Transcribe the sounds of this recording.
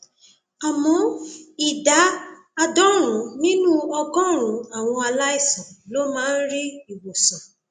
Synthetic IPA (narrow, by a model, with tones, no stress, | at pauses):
a˨mɔ̃˨˦i˨da˨˦ | a˧dɔ̃˦ɾ̃ũ˨˦nĩ˦nũ˦ɔ˧ɡɔ̃˦ɾ̃ũ˨˦a˨w̃ɔ̃˧a˧la˦i˦˨sɔ̃˨lo˦mãː˦n̩˦ɾi˦i˨wo˨sɔ̃˨